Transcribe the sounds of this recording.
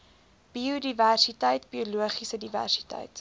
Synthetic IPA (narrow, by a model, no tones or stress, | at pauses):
b̥iudiværsitəjtbiuluəχisədivæ̰rsi̥tə̰jt